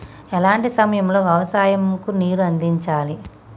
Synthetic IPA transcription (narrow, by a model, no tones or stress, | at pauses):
ɛlaːɳʈisɐmɐjɐmlo̞ːʋjɐʋɐsaːjɐmkuniːɾuɐnd̪iɲt͡ʃaːli